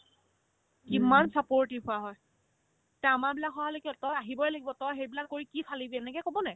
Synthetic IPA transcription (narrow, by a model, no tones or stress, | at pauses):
kimansapoɹtiɦʊaɦɔj | tɛamabilakɦɔaalekiɔtɔjaɦibɔɛlaɡibɔtɔjxejbilakːoɹikipʰalibiɛnɛkɛkobɔnɛ